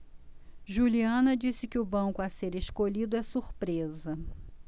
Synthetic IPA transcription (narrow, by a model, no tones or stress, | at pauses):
ʒuliɐ̃nɐd͡ʒisɪkɪʊbɐ̃kʊaseɾeʃkoʎid̪ʊɛsuɾpɾezɐ